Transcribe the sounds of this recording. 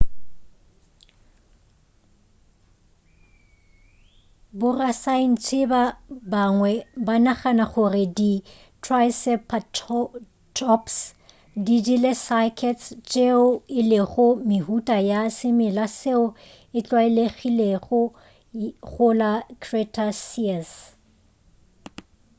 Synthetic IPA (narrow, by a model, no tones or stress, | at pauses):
bʊrasaɪn̩t͡sʰɪbabaŋwɛbanaχanaχʊrɪdi | tʰrajsɛpʰa | tʰɔps | didilesakʰɛtst͡ʃʼeʊɪlɪɣʊmɪhutʼajasɪmɪlaseʊ | ɪt͡ɬʼwaɪleɣileɣʊ | ɣʊlakʰretʰʼasis